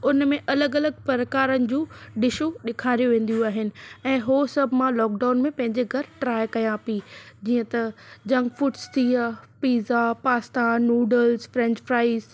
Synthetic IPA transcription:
ʊnmẽʔɐləɡɐləɡpɐɾəkaːɾənɪ̆d͡ʑũːɖɪʃuɗɪkʰaːɾijoʋẽːn̆d̪ijũaːɦɪnɪ̆ɛ̃ːɦoːsɐbʱɪmãlɔːkɖaːʊnmẽpɐ̃ɦɪ̃ɲd͡ʑeɡʱɐɾʈɾaːjkɐjãpid͡ʑiːə̃t̪ɐd͡ʑɐ̃ŋɡfʊʈst̪ʰiːapiːzapaːst̪anuːɖəlzfɾɛ̃ɲd͡ʑfɾaːɪz

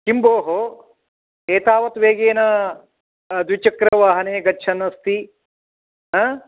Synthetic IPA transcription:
kimboːɦo | eːt̪aːʋɐt̪ʋeːɡeːnɐ | d̪ʋit͡ʃɐkɾɐʋaːɦɐneːɡɐːt͡ʃʰɐnɐst̪i | ɦa

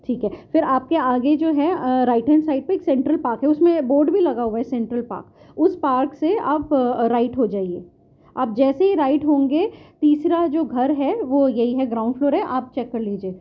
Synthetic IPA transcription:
ʈʰiːkɦɛfɪɾaːp̚keaːɡed͡ʒoːɦɛɾaːɪʈə̃nsaːɪɖ̚pɐɾeːksɛ̃ːɳʈɾəlpaːɾkɦɛʊsmẽboːɾɖbʱilɐɡaɦuaɛsɛ̃ːɳʈɾəlpa̰ːɾk | ʊspaːɾksea̰ːpɾaːɪʈɦod͡ʒaːieː | aːp̚d͡ʒɛːseɦiɾaːɪʈɦõːŋɡet̪iːsɾad͡ʒoːɡʱɐɾɦɛʋojɐɦiɦɛɡɾãːʊ̃ɳɖfloːɾɦɛʔaːp̚t͡ʃɛkːɐɾliːd͡ʒieː

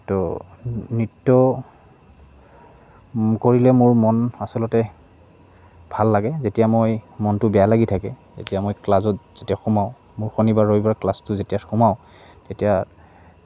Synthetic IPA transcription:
tɔ | nitːɔ | koɹilɛmʊɹmɔnasɔlɔtɛ | bʱalːaɡɛzetijamojmɔntʊbɛjalaɡitʰakɛ | zḛtijamojklazɔt̚z̥etiaxumaʊ | mʊɹxonibaɹojbaɹklastʊzetijaxumaʊ̃ | tetija

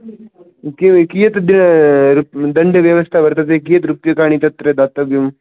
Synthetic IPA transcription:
kikijət̪d̪inɾud̪ɐɳɖəʋjɐʋəst̪ʰaʋɐɾt̪ət̪̬ek̬ijət̪ɾupjəkaɽ̃it̪ɐt̪ɾed̪at̪ɐʋjum

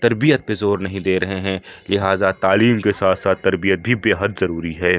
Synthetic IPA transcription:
t̪ɐɾbijət̪̚bezoːɾnɐɦĩd̪eːɾɐɦeɦɛ̃lɪɦaːzat̪aːliːmkesaːt̪ʰsaːt̪ːɐɾbijət̪̚bʱibeːɦəd̪zɐɾuːɾiɦɛː

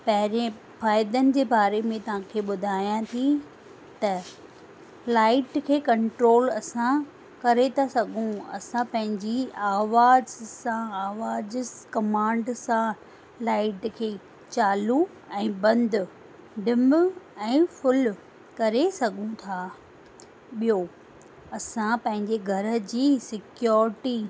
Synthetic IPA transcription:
pɐɦɪɾẽ | faːɪd̪ənɪ̆d͡ʑeːbaːɾemẽt̪ɐʋ̤ãkʰeːɓʊd̪ʱaːjãt̪ʰi | t̪ɐ | laːɪʈkʰeːkɐ̃ɳʈɾoːlɐsã | kɐɾet̪ʰasɐɡʱũɐ̰sãpɐ̃ɦɪ̃ɲd͡ʑiaːʋaːzsãaːʋaːd͡ʑkɐmãːɳɖsã | laːɪʈkʰeː | t͡ɕaːlu | ɛ̃ːbɐ̃nd̪ | ɖɪmɛ̃ːfʊl | kɐɾesɐɠʱũt̪ʰaː | ɓijo | ɐsãpɐ̃ɦɪ̃ɲd͡ʑeɡʱɐɾə̆d͡ʑiːsɪkjɔːɾɪʈi

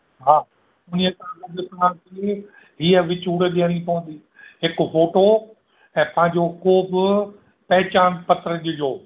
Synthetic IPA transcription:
ɦaː | ʊnijət̪ɐãkɐd̪ɪt̪ɐãke | ɦiːəʋɪt͡ɕuːɽɗeəɽ̃ipɐʋə̃n̆d̪iː | ɦɪkfoːʈo | ɛ̃ːpɐ̃ɦɪ̃ɲd͡ʑokoːbɪ | pɐɦɪt͡ɕaːnpɐt̪ɾəd͡ʑʊd͡ʑoː

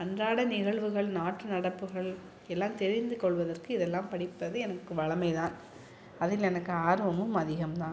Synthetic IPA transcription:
ɐnraːɽɐnɪɣɐɭʋɯɣɐɭnaːʈrɯnɐɽɐpːɯɣɐɭ | ɛlːaːmt̪ɛɾɪnd̪ɯkɔɭʋɐðɐrkɯɪðɛlːãːmpɐɽɪpːɐðɯɛnɐkːɯʋɐɭɐmɐɪt̪ãːn | ɐðɪlɛnɐkːɯaːɾʋɐmɯmɐðɪɣɐmt̪ãːn

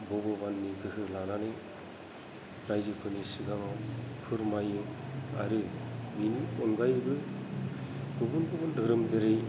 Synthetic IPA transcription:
bɔbɔbanːiɡɯɦɯlananɯj | ɾajzɯpʰɯnisɯɡaŋapʰɯɾmajɯa̰ɾɯbiniɔnɡajbɯ | ɡɯbɯnɡɯbɯndɯɾɯmzɯɾɯj

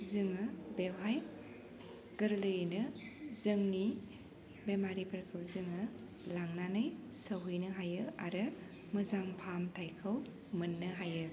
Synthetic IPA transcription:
zɯŋɯbewɦaj | ɡ̥ɯɾlɯjɯnɯzɯŋni | bemaɾipʰɐɾkʰɯwzɯŋɯ | laŋnanɯj | səɦɯjnɯɦajɯa̰ɾɯ | mɯzaŋpʰamtʰajkʰɯw | mɯnːɯɦajɯ

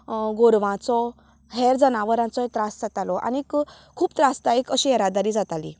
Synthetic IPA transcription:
ɡoɾʋãt͡sɔ | ɦɛɾd͡zənaʋəɾãt͡sɔet̪ɾasd͡zat̪alɔʔa̰niik | kʰːuːpt̪ɾast̪aekəɕiɛɾad̪aɾiːd͡zat̪alḭ

